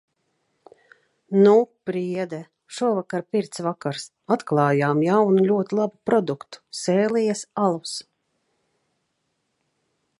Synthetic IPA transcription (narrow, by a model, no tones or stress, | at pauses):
nupɾiɛd̪ɛ | ʃuɔvakaɾpiɾt̪svakaɾs | at̪klˠɑːjaːmjawnulʲuɔt̪ilˠabupɾɔd̪ukt̪u̥sɛːlijasalˠus